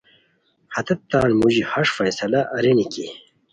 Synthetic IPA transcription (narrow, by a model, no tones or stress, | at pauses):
hɐt̪ɐt̪ːãːnmuʑihɐʂfɐjsɐlaʔɐɾiniki